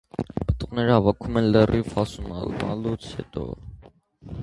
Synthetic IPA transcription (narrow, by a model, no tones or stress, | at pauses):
pət̪ʼuʁnɛɾəhɑvɑkʰumɛnlərʔifɑsumɑ̰lmɑ̰lut͡sʰhɛ̰t̪ʼɔ̰